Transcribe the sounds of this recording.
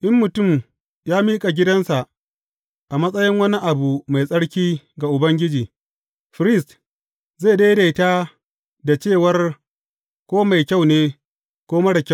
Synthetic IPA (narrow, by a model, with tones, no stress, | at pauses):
ʔɪ˦mːʊ˨tʊ˦˨m | jaː˦miː˦kʼa˨ɡʲɪ˦dɐ˦nsa˨ʔ | ʔa˨mɐ˦sʼɐ˦jɪ˦ŋwɐ˦ni˦ʔa˨bu˨ma˨jsʼɐ˦ɽkʲiː˦ | ɡa˨ʔʊ˨bɐ˦ŋɡʲɪ˦d͡ʒiː˨ | ɸɾɪ˦˨st | za˦˨deː˦da˨ɪ˦taː˦ | da˨t͡ʃeː˦˨wɐ˦r | kʷoː˦ma˨jkʲa˦˨wneː˦ | kʷoː˦mɐ˦ɽa˨kʲa˦